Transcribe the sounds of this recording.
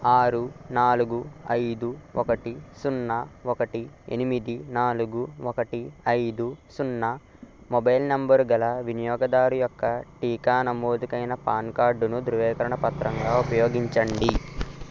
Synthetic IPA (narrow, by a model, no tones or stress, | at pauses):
aːɾunaːluɡuɐjd̪uɔkɐʈisunːɐɔkɐʈiḛnimid̪inaːluɡuɔkɐʈiɐjd̪usunːɐ | mɔbɐjlnɐmbɐɾɡɐlɐʋinijɔːɡɐd̪aːɾujɔkːɐʈiːkaːnɐmoːd̪ukɐjnɐpaːnkaːɾɖunud̪uɾuʋɛːkɐɾɐɳɐpɐt̪ɾɐŋɡaːupɐjo̞ːɡiɲt͡ʃɐɳɖi